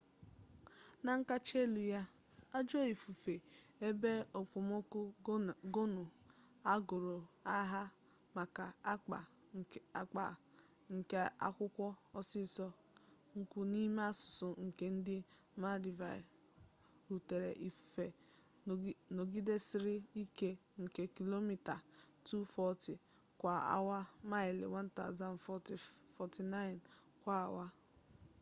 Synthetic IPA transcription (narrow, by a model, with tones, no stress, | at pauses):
na˨ŋ̩˦ka˦t͡ʃe˦lu˨ja˦ | a˦d͡ʒo˦i˨fu˨fe˨e˦be˦o˨kʷʊ˨mo˦kʊ˦ɡo˦nʊ˨ | a˦ɡʊ˨ɾo˨a˦ɦa˦ | ma˨ka˨˦k͡pa˨ | a˦k͡pa̰˨ | ŋ̩˨ke˦a̰˦kʷʊ˦kʷɔ˦ɔ˦sɪ˦sɔ˦ | ŋ̩˦kʷu˦ni˦ma˦sʊ̥˨sʊ˨ŋ̩˨ke˦n̩˦dɪ˦ | ma˦di˨va˨ | ɾu˨te˨ɾḛ˨ʔi˨ffe˨˦ | no˨ɡi˦de˦sɪ˦ɾɪ˦i˦ke˦ŋ̩˨ke˨ki˨lo˦mi˦˨ta˨ | tu˦fɔ˦ti˨ | kʷa˨a̰˦wa˦ma˦ɪ˨lɪ̰˨wa˦n˦ta̰˦˨ʊ˨za˨n˨fɔ˦ti˨fɔ˨ti˨na˦ɪ˨n | kʷa˦a̰˨wa˦